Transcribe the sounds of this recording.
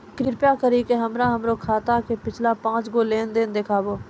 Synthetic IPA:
kɾɪpjakəɾikeɦɐmɾaɦɐmɾokʰaːt̪akepɪt͡ʃʰlapãːt͡ʃɡoleːnd̪end̪ekʰaːboː

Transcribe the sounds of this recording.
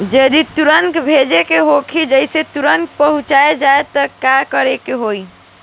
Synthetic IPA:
d͡ʒed̪it̪uɾəŋkbʱed͡ʒekeɦokʰid͡ʒəjset̪uɾəŋk̚pəɦũt͡ʃaed͡ʒaet̪əkakəɾekeɦoj

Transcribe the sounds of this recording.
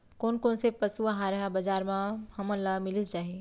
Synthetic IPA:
koːnkoːnsepɐsuaɦaɾɐɦabɐd͡ʒaːɾmãhɐmə̃nlamɪlist͡ʃaːɦie

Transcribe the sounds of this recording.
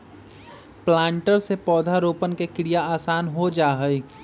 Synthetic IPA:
plãːɳʈəɾsepɔːd̪ʱaɾoːpənkekɪɾijaaːsaːnɦod͡ʒaːɦəi

